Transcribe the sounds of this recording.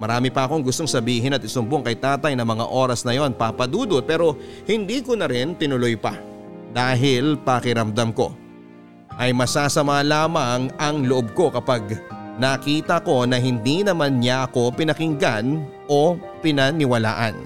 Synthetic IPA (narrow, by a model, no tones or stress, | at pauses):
mɐɾaːmɪpɐʔɐko̞ŋɡʊst̪oŋsɐbiːɦɪnɐt̪ɪsomboŋkɐjt̪aːt̪ɐjnɐmɐŋa̰ʔo̞ːɾɐsnɐjo̞npapɐd̪uːd̪o̞pɛːɾo̞hɪnd̪iːkonɐɾɪnt̪ɪnʊlojpɐ̰ | d̪aːɦɪlpɐkɪɾɐmd̪ɐmko̞̰ | ʔɐjmɐsaːsɐmalaːmɐŋɐŋloʔob̚ko̞kɐpaɡ̚nɐkiːt̪ɐko̞nɐɦɪnd̪inɐmanɲaʔɐko̞pɪnɐkɪŋɡan | ʔo̞ | pɪnɐnɪwɐla̰ːʔɐ̰n